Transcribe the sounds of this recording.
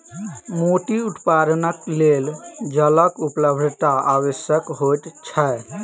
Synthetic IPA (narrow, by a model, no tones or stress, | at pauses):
moʈiuʈ̪paɾənəkleld͡ʒələkupləbʱd̪ʱt̪aawəsjəkɦot̪t͡ʃʰɛ